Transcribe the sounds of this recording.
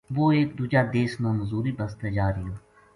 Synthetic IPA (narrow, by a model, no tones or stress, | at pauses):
ʋoːeːk̚d̪uːd͡ʒaːd̪eːsnõːməzuːɾiːbəst̪ed͡ʒaːɾiːõː